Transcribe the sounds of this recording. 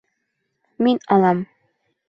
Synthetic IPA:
minɑlˠɑm

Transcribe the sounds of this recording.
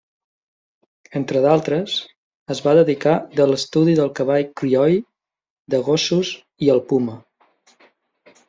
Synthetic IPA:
ent̪ɾəðalˠt̪ɾəs | əzβaðəðikad̪ələst̪uðiðəlˠkəβaʎkɾiɔj | d̪əɣosuz | iəlˠpumə

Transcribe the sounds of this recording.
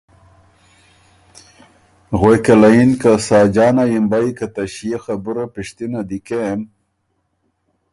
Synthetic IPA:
ɣwekelainkasɑːd͡ʒɑːnajimbajkat̪aɕijexabuɾapiʂt̪inad̪ikem

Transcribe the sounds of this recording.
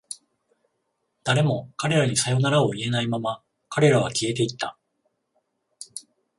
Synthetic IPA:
d̪̥aɾe̞mo̞kaɾe̞ɾaɲ̟isajo̞naɾaoie̞naimama | kaɾe̞ɾaβ̞akʲie̞t̪̬e̞it̪ːa̰

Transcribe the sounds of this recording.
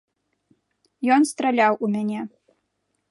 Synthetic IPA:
jɔnst̪ɾalʲawʔumʲanʲɛ

